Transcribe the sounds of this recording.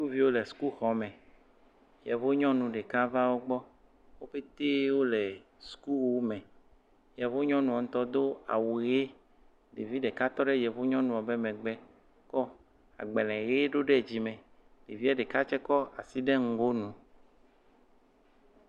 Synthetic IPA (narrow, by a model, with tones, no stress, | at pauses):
u˦ku˦vi˦wo˦le˨su̥˨˦ku˦xɔ˨mɛ̃˨ | jɛ˨vo˦ɲɔ̃˦nũ˨ɖe˨ka˦va˦wo˦ɡ͡bɔ˦ | wo˦ɸe˦t̪e˦wo˦lɛ˨ | su̥˦ku˦wu˦mɛ̃˨ | jɛ˨vo˦ɲɔ̃˦nũ˨a˨ŋ˦t̪ɔ˦d̪o˦a̰˨wu˨ɣe˦ | ɖe˨vi˦ɖe˨ka˦t̪ɔ˦ɖe˦jɛ˨vo˦ɲɔ̃˦nũ˨a˨be˦mɛ̃˨ɡ͡bɛ˦ | kɔ˦ | a̰˨ɡ͡bɛ˨lɛ̃˨ɣe˦ɖo˦ɖe˦˨d͡ʑi˨mẽ˨ | ɖe˨vi˦a˦ɖe˨ka˦t͡ʃɛ˦kɔ˦a˨si˦ɖe˦ŋ̩˦˨ɡo˦nũ˦